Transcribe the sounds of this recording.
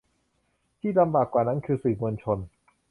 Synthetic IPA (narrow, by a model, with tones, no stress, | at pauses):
t̪ʰiː˥˩la˧mbaː˨˩kːwaː˨˩na˦˥nkʰɯː˧sɯː˨˩mu˧ənt͡ɕʰo˧n